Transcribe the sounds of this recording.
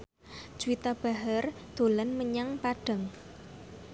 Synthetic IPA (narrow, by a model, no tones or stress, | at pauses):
d͡ʒuwit̪ab̥a̤ɦərd̪̥o̤lənməɲaŋpaɖ̥a̤ŋ